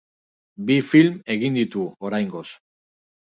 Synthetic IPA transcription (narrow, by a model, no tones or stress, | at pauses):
bifilme̞ɣind̪it̪uoɾajŋɡo̞s